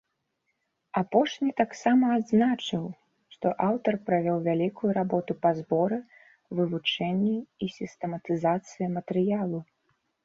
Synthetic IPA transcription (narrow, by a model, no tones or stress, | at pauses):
apɔʂnʲit̪aksamɐːd̪znat͡ʂɨw | ʂt̪ɔʔawt̪ɐrpɾavʲɔwvʲalʲikujuɾabɔt̪upazbɔɾɨ | vɨvut͡ʂɛnʲːɛisʲist̪ɛmɐt̪ɨzat̪sɨjɐmɐt̪ɛɾɨjalˠu